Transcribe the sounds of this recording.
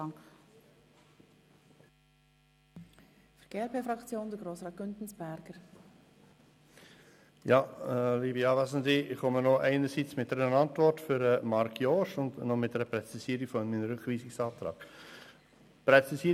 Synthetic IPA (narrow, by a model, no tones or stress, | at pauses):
ŋ | fəɾɡ̥eæɾpʰeːfɾɑkt͡sjoːnd̥̪əɾɡ̥ɾoːsɾɑːt̚ɡ̥ʏntn̩sb̥æɾɡ̥əɾ | jɑliːbiɑːvæsənziɪχɔmənoʔɛɪnəɾsiːt͡smɪt̚dɛɾənɑntvɔrtfʏɾəmɑɾkʰjoːʃʊndnɔmɪt̚dɛɾəpɾɛt͡sisiːɾifɔnminəɾʏχviːsɪksɑːt̪ɾɑ̰ːɡ̥ | pɾɛt͡sisiə